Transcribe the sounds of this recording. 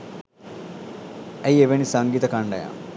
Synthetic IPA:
æjeʋenisaŋɡiːt̪əkaɳɖɐ̰ja̰

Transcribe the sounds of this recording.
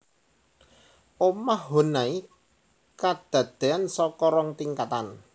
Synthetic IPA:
omahɦo̤nai | kad̪̥ä̤d̪̥e̤ansɔkɔɾɔŋt̪iŋkat̪an

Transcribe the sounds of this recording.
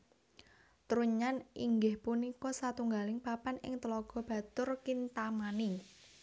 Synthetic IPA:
t̪ɾuɲanḭŋɡɪhpunikɔsat̪uŋɡalɪŋpapanɪ̰ŋt̪əlɔɡ̥ɔ̤b̥a̤t̪ʊrkint̪amani

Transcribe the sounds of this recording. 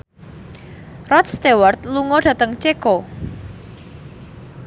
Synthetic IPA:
rɔt̪st̪ewart̪̚luŋɔɖ̥ä̤t̪əŋt͡ʃekɔ

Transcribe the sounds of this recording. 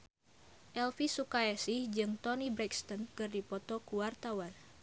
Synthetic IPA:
ʔɛlfisukaɛsihd͡ʒɨŋt̪ɔnibɾɛkst̪ɔnkɨrdipɔt̪ɔkuwart̪awan

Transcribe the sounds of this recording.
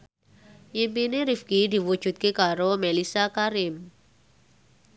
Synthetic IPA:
jimpineɾifkid̪i̤wud̥ʒ̥ṳt̪̚kekaɾomelisakaɾɪm

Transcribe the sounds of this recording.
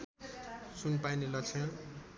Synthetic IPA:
sunpajnilʌt͡sʰʌ̃

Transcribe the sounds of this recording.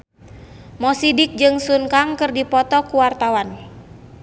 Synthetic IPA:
mɔsidɪk̚d͡ʒɨŋsunkaŋkɨrdipɔt̪ɔkuwart̪awan

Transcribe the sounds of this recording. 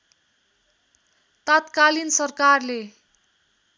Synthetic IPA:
t̪at̪kalinsʌrkarle

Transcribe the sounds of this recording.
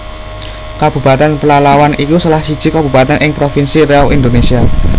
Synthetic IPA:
kab̥ṳpat̪anpəlalawanʔikusəlahsid̥ʒ̥i̤kab̥ṳpat̪anʔɪŋpɾofinsiɾeɔwʔind̪onesia

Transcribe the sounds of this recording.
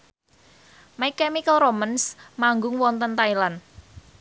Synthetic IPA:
maikɛmikəlromənsmaŋɡʊŋwɔnt̪ənt̪ailan

